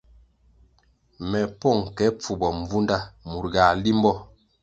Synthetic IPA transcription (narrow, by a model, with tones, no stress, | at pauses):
mɛ˨pɔ˦˨ŋ˨kɛ˨˦p͡fu˨bɔ˨ɱ˨vu˦nda˦mu˨ɾɡaː˨li˦m˦bɔ˦